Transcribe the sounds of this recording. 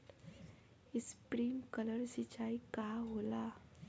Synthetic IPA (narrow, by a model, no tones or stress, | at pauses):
ispɾiːmkələɾsit͡ɕaikaɦola